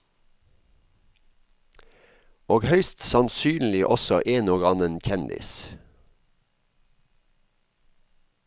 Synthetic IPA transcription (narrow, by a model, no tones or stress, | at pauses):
oːɡhœʏst̪sɑnsyːnlɪʔɔsɔʔeːnoːɡɑnənçʰɛnd̪ɪ̰s